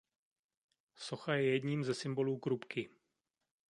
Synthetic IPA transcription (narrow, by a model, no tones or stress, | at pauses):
so̞xajɛjɛdɲiːmzɛsɪmbo̞luːkɾupkɪ